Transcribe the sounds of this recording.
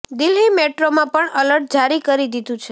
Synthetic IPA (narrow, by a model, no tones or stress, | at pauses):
d̪ɪlɦimeʈɾomãpəɳələɾʈ̚d͡ʒaɾikəɾid̪id̪ũt͡ʃʰe